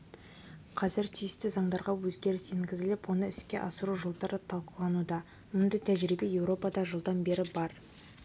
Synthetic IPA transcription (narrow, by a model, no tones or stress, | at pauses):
qʰɑzɪɾt̪ʰijɪst̪ɪzɑɴd̪ɑɾʁɑwɵzɡʲe̞ɾɪseŋɡʲɪzɪlɪpwo̞nəɪskʲe̞̰ʔɑsəɾuʒolˠd̪ɑɾət̪ʰɑlˠqəlˠɑnud̪ɑ | mʊnd̪ɑjt̪ʰæʒɾibe̞je̞wɾo̞pɑd̪ɑʒəlˠd̪ɑnbe̞ɾɪbɑɾ